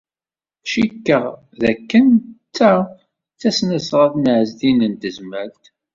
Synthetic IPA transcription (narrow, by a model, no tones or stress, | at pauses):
ʃikːəʁ | ðækːənt͡sːæ | t͡sːæsnəsʁaθnʕəzðinənt̪əzmælt̪